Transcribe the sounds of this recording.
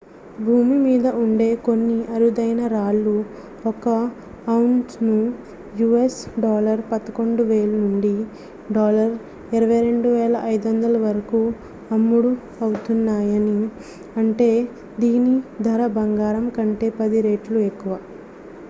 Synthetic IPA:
bʱuːmimiːd̪ɐuɳɖe̞ːko̞nːiʔɐɾud̪ɐjnɐɾaːlːu | ɔkɐ | ɐwuɳʈnu | juːesɖɔːlɐɾpɐd̪ɐko̞ɳɖuʋeːlunuɳɖi | ɖɔːlɐɾ | iɾɐʋɐjɾe̞ɳɖuʋɛːlɐʔɐjd̪uʋɐnd̪ɐlɐʋɐɾɐkuː | ɐmːuɽu | ɐwut̪unːaːjɐni | ɐɳʈe̞ː | d̪iːnid̪ʱɐɾɐbɐŋɡaːɾɐmkɐɳʈe̞ːpɐd̪iɾe̞ːʈluekːuʋa

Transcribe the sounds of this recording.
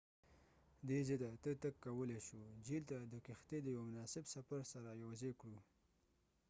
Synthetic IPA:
d̪ezed̪at̪ət̪əkːawəleʃud͡ʒilt̪ad̪əkɪxt̪ed̪əjwamʊnɑsɪbsafaɾsaɾajawazekɽu

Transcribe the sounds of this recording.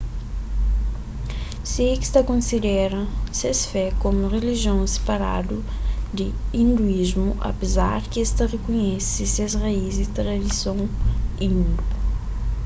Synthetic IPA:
siekst̪ɐkõnsid̪ɛɾɐ̃sesfɛkomʊʁeliʒiõw̃se̥paɾa̰d̪ʊ | d̪ɪĩnd̪uizmʊʔɐ̰peza̰ɾkɪest̪ɐrekoɲɛsɪsezraizd̪ɪt̪ɾad̪isõw̃ĩnd̪u

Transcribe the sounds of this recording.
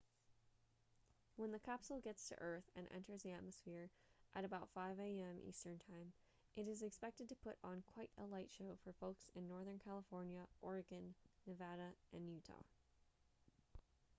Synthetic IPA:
wə̃nðɨkʰæpsl̩ˠɡɛtstʰɨ̰ʔɜ˞θɨ̰̃nʔɛ̰̃ntʰə˞zðiæt̚məsfɪɹ | ʔɨɾɨbaʊtfaɪveɪɛ̃mʔḭstə̃˞ntʰãɪ̃m | ʔɨɾɨzɨkspɛk̚tɨd̚tʰɨpʰʊɾn̩kʰw̥aɪɾəlaɪtʃoʊfə˞foʊksɨ̃nːɔɹðə̃˞nkʰælˠəfɔɹnjɨʔɔɹɨɡɨ̃nːɨvæɾɨʔɨ̃nːjʉtʰɑ̰

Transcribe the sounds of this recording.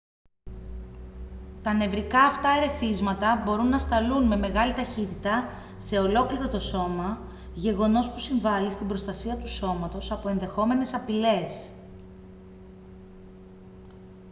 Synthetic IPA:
t̪ɐne̞vɾikɐːft̪ɐeɾe̞θizmɐt̪ɐbo̞ɾunːɐst̪ɐlunme̞me̞ɣɐlit̪ɐçit̪it̪ɐ | se̞o̞lo̞kliɾo̞t̪o̞so̞mɐ | ʝe̞ɣo̞no̞spusiɱvɐlist̪imbɾo̞st̪ɐsiɐt̪uso̞mɐt̪o̞sɐpo̞e̞nðe̞xo̞me̞ne̞sɐpile̞s

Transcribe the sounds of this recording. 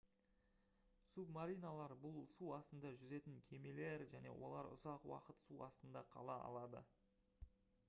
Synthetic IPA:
submaɾijnalˠɑɾbʊlˠsuɑst̪ənd̪ɑʒʏze̞t̪ɪŋkʲʰe̞me̞le̞ɾʒæne̞̰wʔo̞̰lˠɑɾʊ̰zɑqwɑ̰qət̪suɑst̪ənd̪ɑqʰɑ̰lˠɑɑ̰lˠɑd̪ə̰

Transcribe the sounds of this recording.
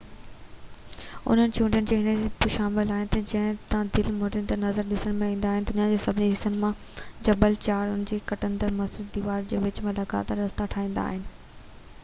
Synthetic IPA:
ʊ̰n̤ənɪ̆t͡ɕʰũːɳɖijənɪd͡ʑeːɦɪnəbɪʃaːmɪlaːɦɪnɪ̆t̪ɐd͡ʑɐ̃ɦɪ̃t̪ãd̪ɪlmoːʈə̃nd̪əɾnɐzəɾɗɪsəɽ̃mẽĩːnd̪aːɦɪnɪd̪ʊnijad͡ʑeːsɐbʱɪniɦɪsənɪ̆mã | d͡ʑɐbəlt͡ɕaːɽʊnɪ̆d͡ʑeːkɐʈə̃nd̪əɾmɐsʊt̪̚d̪iːʋaːɾd͡ʑeːʋɪt͡ɕmẽlɐɡa̰ːt̪əɾːɐst̪aʈʰaːĩːn̆d̪a̰ːɦɪnɪ̆

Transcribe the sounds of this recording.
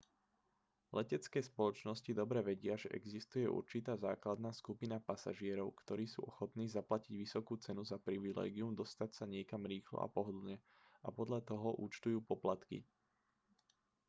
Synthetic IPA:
lɛcɛt͡skɛːspɔlɔt͡ʃnɔscid̪ɔbɾɛʋɛɟɪaʒɛʔɛɡzist̪ujɛʔṵɾt͡ʃit̪aːzaːklad̪naːskupinapasa̰ʒɪɛɾɔʊkt̪ɔɾiːsṵːʔɔxɔt̪niːzaplaciɟʋisɔkuːt͡sɛnuzapɾiʋilɛ̰ːɡiumd̪ɔst̪acsaɲɪɛkamɾiːxlɔ̰ʔa̰pɔɦɔd̪l̩ɲɛ | ʔapɔd̪ʎat̪ɔɦɔʔṵːt͡ʃt̪ujuːpɔplat̪kḭ

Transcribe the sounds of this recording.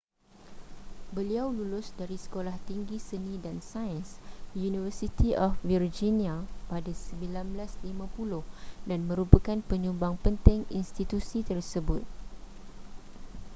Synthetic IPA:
bəliawlulʊsdaɾisə̥kolaht̪iŋɡisənĩdansajənsjunivəsit̪iʔɔfvird͡ʒiniapadasəmbilanblaslimãpulʊhdanmə̃ɾupəkanpəɲũmbaŋpənt̪ɪ̃ŋinst̪it̪usit̪ərsəbʊt̪̚

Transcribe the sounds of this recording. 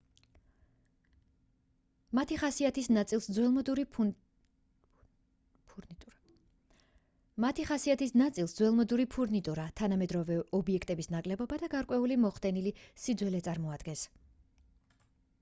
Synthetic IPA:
mat̪ʰiχasiat̪ʰisnat̪sʼilˠsd̪zwɛmɔd̪ | mat̪ʰiχasiat̪ʰisnat̪sʼilˠsd̪zwɛlˠmɔd̪uɾipʰuɾnit̪ʼuɾat̪ʰanamɛd̪ɾɔvɛɔbiɛkʰt̪ʼɛbisnakʼlɛbɔbad̪aɡaɾkʼwɛulimɔχd̪ɛnilisid̪zwɛlɛt̪sʼaɾmɔad̪̥ɡɛns

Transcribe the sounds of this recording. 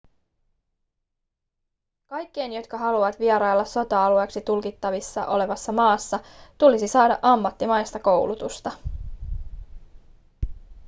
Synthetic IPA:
kɑjkːe̞jnjo̞t̪kɑɦɑluʋɑt̪ʋiɛɾɑjlːɑso̞t̪ɑɑlueːksit̪ulkit̪ːɑʋisːɑ̰ʔo̞le̞ʋɑsːɑmɑːsːɑt̪ulisisɑːdɑ̰ʔɑmːɑt̪ːimɑjst̪ɑko̞wlut̪ust̪ɑ

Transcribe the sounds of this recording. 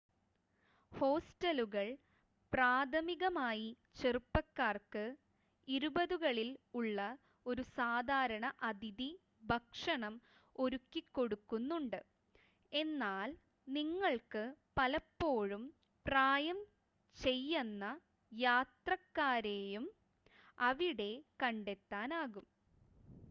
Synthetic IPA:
ho̞ːstɐluɣɐɭ | praːd̪ʱɐmiɣɐmaːji | t͡ɕerupːɐkːaːrkɨ | iɾubɐðuɣɐɭiluɭːɐ | o̞ɾusaːd̪ʱaːɾɐɳɐʔɐd̪ʱiði | bʱɐkʂɐɳɐm | o̞ɾukːikːo̞ɽukːunːuɳɖɨ | e̞nːaːl | niŋːɐɭkɨpɐlɐpːo̞ːɻum | praːjɐm | t͡ɕe̞jːɐnːɐ | jaːt̪rɐkːaːɾeːjum | ɐʋiɽe̞kɐɳɖe̞t̪ːaːnaːɣum

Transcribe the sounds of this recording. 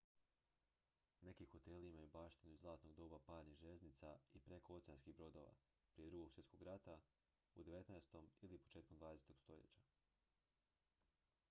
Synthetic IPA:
ne̞kiːxo̞t̪e̞limajubaːʃt̪inuzlˠaːt̪no̞ɡ̚d̪o̞ːbapaːɾɲiʒeznit̪saipɾe̞kʰo̞ot̪sejanskibɾo̞d̪o̞ːʋa̰ | pɾijeɾuɡo̞ɡ̥sje̞t̪koɡɾat̪a | ud̪eʋe̞t̪naest̪o̞milipot͡ʃeːt̪kond̪vaːd̪eset̪oɡ̥st̪o̞ʎḛt͡ɕa

